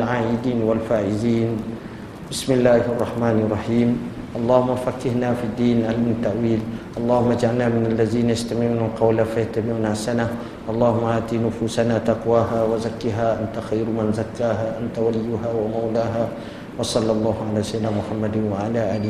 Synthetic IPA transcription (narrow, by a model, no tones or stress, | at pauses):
lʕaːʔɪd̪iːnwalfaːʕɪziːn | bɪsmɪlːaːhʔɑrˤːɑħmaːnɑrˤːɑħiːm | ʔɑlˤːɑːhʊmːafakːɪhnaːfid̪ːiːnʔalmɪnat̪ːaʔwiːlʔɑlˤːɑːhʊmːad͡ʒʕalnaːmɪnalːaðiːnajast̪amɪʕuːnalqɑwlafajaht̪amɪʕuːnasana | ʔɑlˤːɑːhʊmːaʔaːt̪inʊfuːsanaːt̪ɑqwaːhaːwazakːiːɦaːʔant̪axajɾmanzakːaːɦaːʔant̪awalɪjːʊɦaːwamawlaːɦaː | wɑsˤɑlːɑlˤːɑːhʊʕalaːʃajd̪dnaːmʊħamːad̪ɪnwaʕalaːʔaːlɪ